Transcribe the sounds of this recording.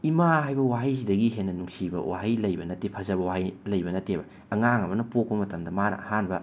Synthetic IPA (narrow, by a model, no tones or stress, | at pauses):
imaɦajbɐwaɦɐjs̬idɐɡiɦenːɐnuŋsibɐ̰wa̰ɦɐjlɐjbɐnɐtepʰɐzɐbɐwahɐjlɐjbɐnɐtːebɐːŋaŋɐbɐnɐpok̚pɐmɐtɐmdɐmaɾɐ̰hanbɐ